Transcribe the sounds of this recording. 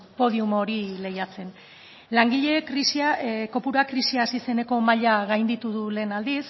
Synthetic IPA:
po̞ð̞iumo̞ɾile̞jat͡se̞n | laŋɡiʎe̞kɾisiako̞puɾakɾisiaːsise̞ne̞ko̞maʎaɣajnd̪it̪uðule̞ːnald̪is

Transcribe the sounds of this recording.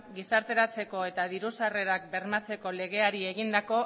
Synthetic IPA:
ɡisaɾt̪e̞ɾat͡se̞ko̞e̞t̪að̞iɾusare̞ɾak̚be̞ɾmat͡se̞ko̞le̞ɣ̞e̞aɾie̞ɣind̪ako̞

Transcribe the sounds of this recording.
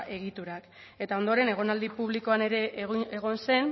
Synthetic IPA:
ʔe̞ɣ̞it̪uɾak | e̞t̪ao̞nd̪oɾe̞ne̞ɣ̞o̞nald̪ipuβ̞liko̞ane̞ɾe̞ʔeɣ̞o̞nse̞n

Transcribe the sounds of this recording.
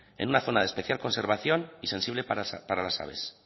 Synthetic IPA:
ḛnunaθo̞naðespe̞θjalko̞nse̞ɾβ̞aθjo̞nise̞nsiβlepaɾalasa̰β̞e̞̰s

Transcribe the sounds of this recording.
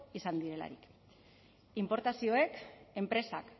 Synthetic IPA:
isand̪iɾe̞la̰ɾḭk | impo̞ɾt̪asio̞e̞ke̞mpɾe̞sa̰k

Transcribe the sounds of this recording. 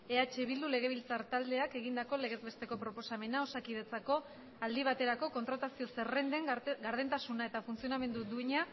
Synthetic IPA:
e̞at͡ʃe̞β̞ild̪ule̞ɣ̞e̞βilt͡saɾt̪ald̪e̞ake̞ɣind̪ako̞le̞ɣezβe̞st̪e̞ko̞pɾo̞po̞same̞nao̞sakið̞e̞t͡sako̞ | ald̪iβ̞at̪e̞ɾako̞ko̞nt̪ɾat̪asio̞sere̞nd̪e̞ŋɡaɾð̞ent̪asunae̞t̪afunt͡sio̞name̞nd̪ud̪uiɲa

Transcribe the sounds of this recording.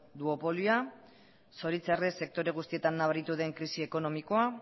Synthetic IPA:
d̪uo̞po̞ljua | so̞ɾit͡serese̞k̚t̪o̞ɾe̞ɣ̞ust̪ie̞t̪anːaβaɾit̪uðe̞ŋkɾisie̞ko̞no̞miko̞a

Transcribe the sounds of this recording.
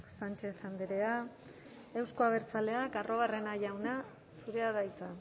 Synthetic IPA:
sant͡ʃe̞θand̪eɾea | e̞wsko̞aβ̞e̞ɾt͡sale̞akarʔo̞ɣ̞are̞naʝawna | suɾe̞aðajt͡sa

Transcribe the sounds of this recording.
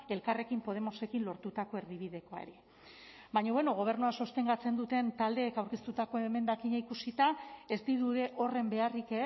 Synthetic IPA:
e̞lkare̞kimpo̞ð̞e̞mo̞se̞kinlo̞ɾt̪ut̪ako̞e̞ɾðiβ̞iðe̞ko̞aḛɾe | baɲoβeno̞ɣ̞o̞β̞e̞ɾnuaso̞st̪e̞ŋɡat͡se̞nd̪ut̪e̞nt̪ald̪e̞ːkawɾkist̪ut̪ako̞eme̞nd̪akiɲaikusit̪ae̞zt̪iðuðe̞ʔo̞re̞mbe̞arike

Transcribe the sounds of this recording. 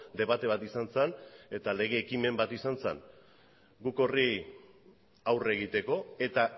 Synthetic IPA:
d̪e̞β̞at̪e̞β̞at̪isansene̞t̪ale̞ɣ̞e̞ːkime̞mbat̪isansḛn | ɡuko̞ri | awre̞ɣ̞it̪e̞ko̞e̞t̪a

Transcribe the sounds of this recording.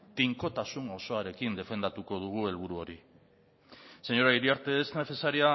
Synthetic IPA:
t̪iŋko̞t̪asuno̞so̞aɾe̞kind̪e̞fe̞nd̪at̪uko̞ð̞uɣ̞ue̞lβ̞uɾuo̞ɾi | se̞ɲo̞ɾaiɾiaɾt̪e̞ːzne̞t͡se̞saɾia

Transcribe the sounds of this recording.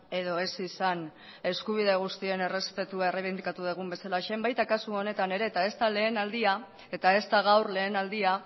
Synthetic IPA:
e̞ðo̞e̞sisan | e̞skuβ̞ið̞e̞ɣ̞ust̪ie̞ne̞re̞spe̞t̪uaereβ̞ind̪ikat̪uðeɣ̞umbe̞salaʃembajt̪akasuo̞ne̞t̪ane̞ɾe̞ːt̪ae̞st̪ale̞ːnald̪ia | e̞t̪ae̞st̪aɣ̞awrle̞ːnald̪ia

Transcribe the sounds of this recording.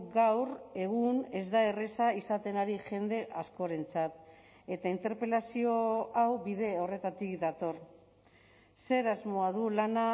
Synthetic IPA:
ɡawre̞ɣ̞une̞zd̪ae̞resaisat̪e̞naɾiʝe̞nd̪e̞ʔasko̞ɾe̞nt͡sat̪ | e̞t̪aint̪e̞ɾpe̞lasio̞awbið̞e̞o̞re̞t̪at̪ikd̪at̪o̞r | se̞ɾazmo̞aðulana

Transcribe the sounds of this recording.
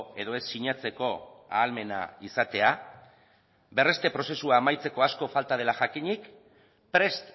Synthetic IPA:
e̞ðo̞e̞sːiɲat͡se̞ko̞a̰ːlme̞na̰isat̪e̞a | be̞re̞st̪e̞pɾo̞se̞suaːmajt͡se̞ko̞asko̞falt̪að̞e̞laʝakiɲik | pɾe̞st̪

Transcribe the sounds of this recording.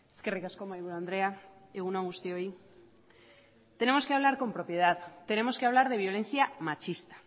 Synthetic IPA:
eskerikaskomajɣuɾãnd̪ɾeaeɣunaɣust̪eoi | t̪e̞ne̞mo̞ske̞aβlaɾko̞mpɾo̞pje̞ð̞aðt̪e̞ne̞mo̞ske̞aβlaɾðe̞β̞jo̞lẽ̞n̟θjamat͡ʃist̪ḁ

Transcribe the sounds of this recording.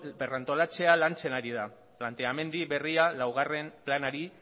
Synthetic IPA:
berant̪o̞lat͡se̞alant͡se̞naɾiða | plant̪e̞ame̞nd̪iβe̞rialawɣare̞mplanaɾi

